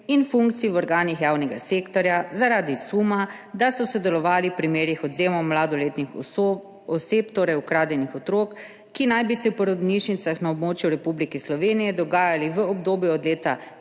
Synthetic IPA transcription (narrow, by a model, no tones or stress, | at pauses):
infuŋkt̪siiwɔɾɡaːnixjaːwnɛɡa̰seːkt̪ɔɾjazaɾaːd̪isuːmad̪asɔsɔd̪ɛlɔʋaːlipɾimeːɾjixɔd̪zeːmɔmlaːd̪ɔleːt̪nix | ɔseːpt̪oːɾɛjukɾaːd̪jɛnixɔt̪ɾoːkː | inajbisɛwpɔɾɔd̪niʃnit̪saxnaobmoːt͡ʃjuɾɛpublikɛslɔʋeːnijɛd̪ɔɡaːjaliʋəɔbd̪oːbjuɔd̪leːt̪a